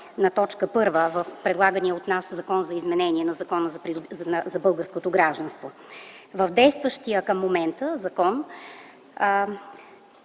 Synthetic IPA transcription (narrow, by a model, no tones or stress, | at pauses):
nɐt̪ɔt͡ʃkəpɤɾvəvəfpɾɛd̪lˠaɡəniəot̪naszɐkɔnzɐizmɛnɛniɛnɐzɐkɔnəzɐɾinzɐbɤlˠɡəɾskot̪oɡɾaʒd̪ɐnst̪vo | vəvd̪ɛjst̪vəʃt̪ijəkəmːomɛnt̪əzɐkɔn